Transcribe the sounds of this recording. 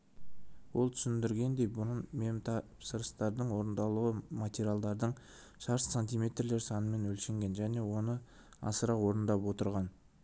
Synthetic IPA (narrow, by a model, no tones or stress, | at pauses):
wo̞lˠt̪ʰʏ̥sɪnd̪ɪɾɡʲe̞nd̪e̞jbʊɾənmemt̪ʰɑpsəɾəst̪ɑɾd̪əɴwo̞ɾənd̪ɑlˠuəmat̪ʲeɾʲialˠd̪ɑɾd̪əɴ | ʃɑɾssanʲt̪ʲijmʲe̞t̪rle̞ɾsɑnəme̞nwɵlʃeŋɡʲe̞nʒæne̞wo̞nə | ɑ̰səɾɑwo̞ɾənd̪ɑpwo̞t̪əɾʁɑn